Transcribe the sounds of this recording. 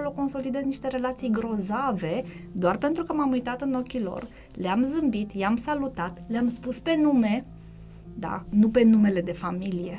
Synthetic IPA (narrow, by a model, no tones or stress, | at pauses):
olo̞ko̞nso̞lid̪e̞zniʃt̪e̞ɾe̞lat̪sijɡɾo̞zave̞d̪oarpe̞nt̪ɾukəmamujt̪at̪ɨno̞kʲilo̞̰r | leamzɨmbit̪jamsalut̪at̪leamspuspe̞nume̞ | d̪a̰nupe̞nume̞le̞d̪e̞familije̞